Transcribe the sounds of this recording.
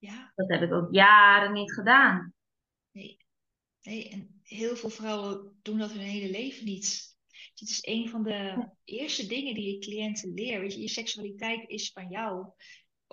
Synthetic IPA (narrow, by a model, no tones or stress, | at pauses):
jad̥ɔtɦɛpɪkokjaːɾənːitχədaːn | nej | nejʔɛn | ɦɪːlˠvɪːlˠfrɔwəd̥undɔtɦønɦejləlejvənit | dɪtɪsenvɔndəəʔɪəɹstədɪŋəndijəklijɛntənlɪːɹʋetəjəsɛksyalitɛjtɪsfanjaw